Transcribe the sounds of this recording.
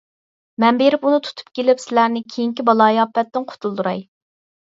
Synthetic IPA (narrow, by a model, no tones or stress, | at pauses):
mɛnbeɾɪpunɨt̪ʰu̥t̪ʰu̥p̚kʲelɪpsɪlæɾnɪkʲʰejiŋkʲibɑlˠɑːjɑpːɛt̪ːɪnqʰo̥t̪ʰulˠd̪uɾɑj